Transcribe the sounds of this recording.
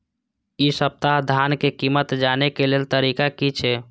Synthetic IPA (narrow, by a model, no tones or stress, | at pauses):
isəp̚t̪aɦd̪ʱankekimət̪d͡ʒanekelelt̪əɾikakit͡ʃʰɛ